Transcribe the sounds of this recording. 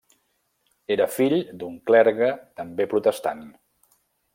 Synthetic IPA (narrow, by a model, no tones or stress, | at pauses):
eɾəfiʎd̪uŋklɛɾɣət̪əmbepɾut̪əst̪an